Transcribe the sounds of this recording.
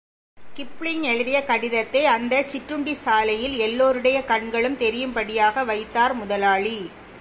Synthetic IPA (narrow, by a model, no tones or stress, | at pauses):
kɪpːɭɪŋɛɻɯðɪjɐkɐɽɪðɐt̪ːɐɪɐnd̪ɐt͡ʃɪʈrɯɳɖisaːlɐjɪlɛlːoːɾɯɽɐjɐkɐɳɡɐɭɯmt̪ɛɾɪjɯmpɐɽɪjaːɣɐʋɐɪt̪ːaːɾmʊðɐlaːɭi